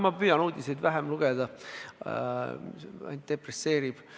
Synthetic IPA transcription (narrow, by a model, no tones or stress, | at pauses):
mɑpyjɑnuːd̪̥ʲise̞jd̪væɦemluɡ̥ed̪̥ɑ | ɑ̰nt̪̚d̪̥e̞presːe̞ːɾib̥